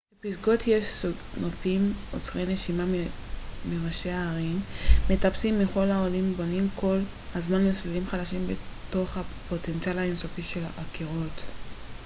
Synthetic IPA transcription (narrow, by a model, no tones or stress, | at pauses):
b̥episɡo̞tʰjeʃso | nofimot͡sʁejne̞ʃimam | meʁaʃe̞aːʁimːetapsimːiχo̞lhaolimbo̞nimkʰo̞l | azmanmeslilimχadaʃimbeto̞χhapo̞tent͡sialhaensofiʃe̞laʔakiʁo̞t